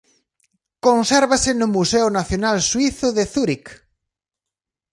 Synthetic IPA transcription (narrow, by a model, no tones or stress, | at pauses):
konsɛɾβasɪnʊmusɛʊnaθjonalswiθʊðeθuɾik